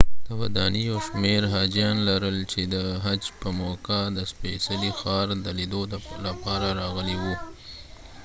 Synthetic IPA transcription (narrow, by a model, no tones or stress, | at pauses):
t̪awad̪ɑnijawʃmeɾɦɑd͡ʒijɑnlaɾəlt͡ʃed̪əɦad͡ʒpəmokad̪əspesalixɑɾd̪əlid̪olapɑɾaɾɑɣəliwu